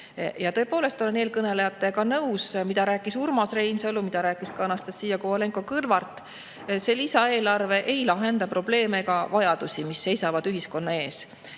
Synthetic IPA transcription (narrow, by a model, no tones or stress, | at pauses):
jɑt̪ɤ̞e̞po̞ːle̞st̪o̞leneːlkɤne̞lejɑt̪ːˑekɑnɤwsmid̪̥ɑɾæːkːˑisurmɑsre̞jnsolumid̪ɑɾæːkːˑiskɑnɑst̪essiːjːɑkoole̞ŋko̞kɯlvɑrt̪ːˑ | se̞lisɑe̞ːlɑrve̞ʔe̞jlɑɦe̞nd̪̥ɑpro̞b̥le̞ːmeɡɑvɑjɑd̪̥usʲimisːe̞jsɑvɑd̪̥yɦisko̞nːɑe̞ːs